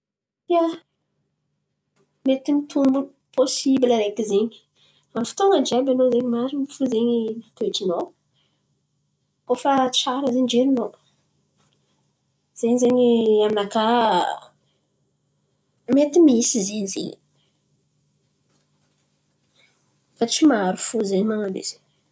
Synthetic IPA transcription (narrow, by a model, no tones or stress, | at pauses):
ja | met̪imit̪ʰunbu | pʰosibiləɾekizeɲi̥ | amifi̥t̪oŋəd͡ʒabanozeɲimaɾimifuzeɲimat̪eʈ͡ʂino | kofəʈ͡ʂaɾəzeɲid͡ʒeɾino | z̥eɲizeɲiaminaka | met̪imiisizeɲzḛɲ | fat͡ʃimaɾufuzeɲimaŋabḛz̥e̥ɲ